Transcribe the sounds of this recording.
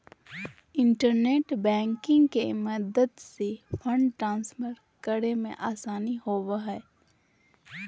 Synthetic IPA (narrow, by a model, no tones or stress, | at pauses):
ɪ̃ɳʈəɾneːʈbɛ̃ːŋkɪ̃ŋɡkeməd̪əd̪sefʰə̃ɳɖʈɾãːnsfəɾ | kəɾemḛ̃ʔaːsaːnihoːʋaɦɛː